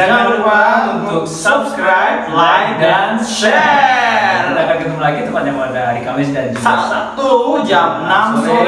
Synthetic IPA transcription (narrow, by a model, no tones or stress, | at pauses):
aŋabəɾbaunt̪ʊksəbskɾajb̚lajkdanʃɛ | rdakaɡit̪umlaɡit̪upaɲakadaɾikamɪsdansat̪usat̪ud͡ʒamna